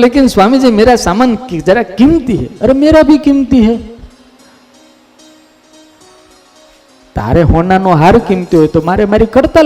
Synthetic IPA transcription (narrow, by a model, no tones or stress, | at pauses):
lekɪnsʋamid͡ʒemeɾasamankd͡ʒəɾakimt̪iɦḛəɾemeɾabʱikimt̪iɦe | t̪a̰ɾeɦonanõɦaɾkimt̪iɦojt̪omaɾemaɾikəɽt̪a